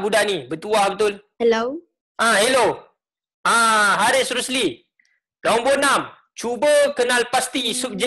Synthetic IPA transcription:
budaʔnibət̪uahbət̪ʊlhɛlo | ʔãhelo | ãɦaɾesɾusli | laumbonam | t͡ʃubəkənalpast̪isuk̚d͡ʒə

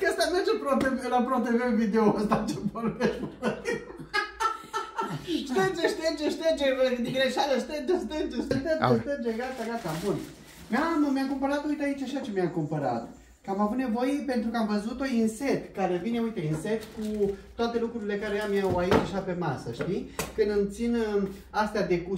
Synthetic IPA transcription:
kəst̪amed͡ʒepɾot̪eelapɾot̪evevid̪eoəst̪at͡ʃepoɾveʃoət̪ | ʃt̪ənt͡ʃeʃt̪ənt͡ʃeʃt̪ənd͡ʒed̪iɡɾeʃad̪əʃt̪ənd͡ʒest̪ənd͡ʒeʃt̪eɡaeʃt̪ənd͡ʒeɡat̪aɡat̪abun | mammijakumpəɾat̪ujt̪ait͡ʃaʃat͡ʃe̞miakumpəɾa̰t̪ | kamavut̪ne̞vo̞jepe̞nt̪ɾukəamvəzut̪oinse̞t̪kaɾe̞vineujt̪einset̪kut̪oat̪e̞lukɾuɾile̞kaɾejamːiawait͡ʃaʃape̞masəʃt̪ikɨnd̪ɨmt̪sin | ast̪ead̪e̞ku

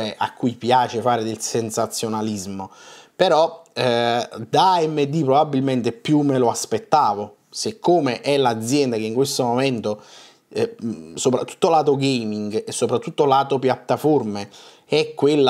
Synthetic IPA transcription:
eʔa̰kːujpjaːt͡ʃefaːɾed̪elsensat̪sːjonalizmopeɾɔ | d̪aɛmːed̪ːipɾobabːilment̪epjumːeloaspet̪ːaːvo | sekʰːoːmeʔɛlad̪zːjɛnd̪akeiŋkwest̪omomɛnt̪o | sopɾat̪ːu̥t̪ːolaːt̪oɡejmiŋɡesːopɾat̪ːut̪ːolaːt̪opjat̪ːaforme | ɛkːwelːa

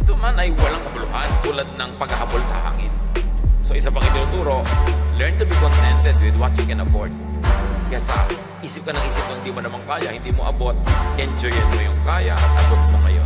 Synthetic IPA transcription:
ʔɛt̪omanɐjwɐlaŋkɐbʊlʊhant̪uːlɐd̪̚nɐŋpɐɡhɐhabolsɐ̰ha̰ːŋɪ̰nso̞ʔɪsapɐŋʔɪnd̪oʊŋt̪uːɾo̞lɛɹnt̪ʊbikont̪ɛnt̪ɛd̪̚wɪd̪wɐt̪̚jukɛnɐfoɹd̪̚kjasɐ̰ | ʔiːsɪp̚kɐnɐŋʔiːsɪp̚nɐŋhɪnd̪imonɐmaŋkaːjɐhɪnd̪iːmoʔɐbot̪̚ʔɛnd͡ʒojɛt̪̚mojʊŋkaːjɐʔɐt̪̚ʔɐbot̪̚moŋɐ̰jo̰n

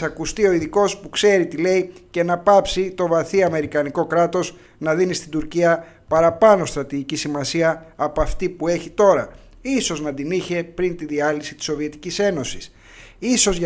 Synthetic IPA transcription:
ɐkust̪io̞iðiko̞spukse̞ɾit̪ile̞ice̞nɐpɐpsit̪o̞vɐθiɐme̞ɾikɐniko̞kɾɐt̪o̞z | nɐðinist̪ind̪uɾciɐ | pɐɾɐpɐno̞st̪ɾɐt̪iʝicisimɐsiɐːpɐft̪ipue̞çit̪o̞ɾɐ | iso̞znɐd̪iniçe̞pɾint̪iðiɐlisi̥t̪i̥sːo̞vie̞t̪i̥cise̞no̞si̥s | iso̞zʝ

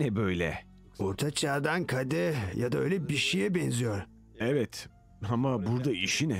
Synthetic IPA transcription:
ɛbøjlʲɛ̰ | oɾt̪ʰat͡ʃʰaːd̪ankʰad̪ɛjad̪aøjlʲɛbiʃijɛbɛnzijoɾ | ɛvɛt̪ | amabuɾd̪aiʃinɛ

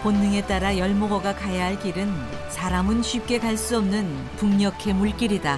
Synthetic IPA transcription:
ponːɯŋe̞t͈aɾajʌɭmoɡʌɡakajaɦaɭk͈iɾɯn | sʰaɾamɯnɕʰip̚k͈e̞kaɭs͈uʌmnɯn | puŋɲʌkʰe̞muɭk͈iɾida

